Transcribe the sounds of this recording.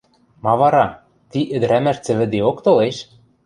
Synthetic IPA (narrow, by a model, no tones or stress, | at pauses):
mɑvɑɾɑ | t̪iʔɘ̆d̪ɾæmæʃt͡sɘ̆βɘ̆d̪eokt̪oleʃ